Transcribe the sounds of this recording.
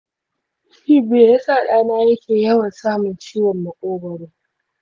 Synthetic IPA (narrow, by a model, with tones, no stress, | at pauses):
ʃiː˦beː˨ja˦saː˦˨ɗaː˦naː˦jɐ˦kʲʰeː˨jɐ˦wɐ˨nsaː˦mʊ˨nt͡ʃiː˦wɐ˨mːɐ˨kʷʼoː˦bɐ˨ɽeː˦